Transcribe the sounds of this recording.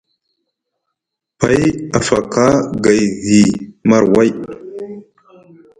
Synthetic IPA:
pa˨˦ja˨fa˨ka˦ɡa˨jɣi˨ma˨ɾwa˦˨j

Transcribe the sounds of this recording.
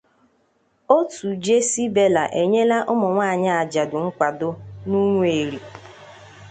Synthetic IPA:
o˦tu˨d͡ʒe˦si˦be˦la˨ʔe˨ɲe˦la˦ʔʊ˦mʊ˨ŋʷaː˦˨ɲa˦a˨d͡ʒa˨dʊ˨ŋ̩˦kʷa˨dʊ˦nu˦ŋʷ˦e˨ɾi˨

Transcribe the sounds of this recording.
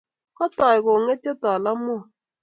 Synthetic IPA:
kɔ˦tɔ˨ɪ˨ko˨ŋe˦te˦tɔ˨la˦mʊ˦˨

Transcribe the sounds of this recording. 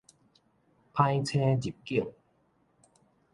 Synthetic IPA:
pʰa˧jt͡ɕʰɛː˧t͡ɕi˨˩p̚ki˧˩əŋ

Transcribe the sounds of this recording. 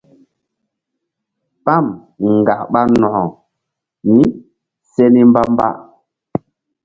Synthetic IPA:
pa˦˨m | ŋ˨ɡa˨kɓa˦nɔ˨hɔ˨ | ni˦ | se˦ni˦mba˦mba̰˦

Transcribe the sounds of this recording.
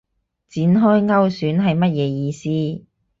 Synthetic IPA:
t͡siː˨˥nɦɔː˥jŋɐ˥wsyː˨˥nɦɐ˨jmɐ˥t̚jɛː˨˧jiː˨˧siː˥

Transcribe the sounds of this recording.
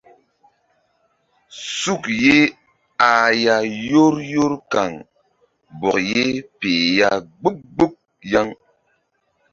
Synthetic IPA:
su˦˨kje˦ | a˨ja˨jo˦ɾjo˦ɾka˨ŋ | bɔ˨je˦pe˨ja˦ɡ͡bu˦k̚ɡ͡bu˦k̚ | ja˦ŋ

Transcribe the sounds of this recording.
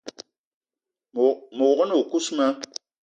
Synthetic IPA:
mo˨kə˦no˨ku˦sma˦

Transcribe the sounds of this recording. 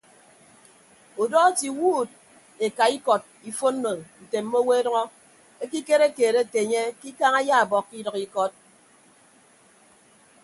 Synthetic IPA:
o˨dɔː˦ti˨wuː˦d̚ | e˨ka˨i˦kɔ˨t̚i˨fo˦n̩ː˦o˨n̩˨te˨m̩˦mo˦we˦e˦dʌ˦ŋɔ˦ | e˦ki˦ke˦ɾe˦keː˨ɾe˦˨te˨ɲe˦ki˦ka˦ŋa˦ja˦a˨bɔ˨kːi˦dʌ˨ki˦kɔ˦t̚

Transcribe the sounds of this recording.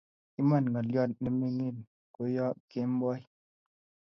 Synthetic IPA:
i˦ma˦˨nŋɡa˨ljɔ˦t̚nɛ˨mi˦ŋi˦˨n | ko˨jɔ˦ʔke˦m˦bɔ˦j

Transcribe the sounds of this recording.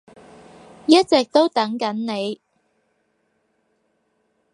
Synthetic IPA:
jɐ˥t̚t͡sɛː˨k̚t̪o˥wt̪ɐ˨˥ŋkɐ˨˥nne˨˧j

